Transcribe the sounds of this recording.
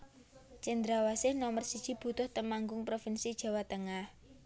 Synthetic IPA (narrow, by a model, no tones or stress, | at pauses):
t͡ʃɛnd̪ɾawasɪhnɔmərsid̥ʒ̥i̤b̥ṳt̪ʊht̪əmaŋɡʊŋpɾofɪnsid̥ʒ̥a̤wat̪əŋah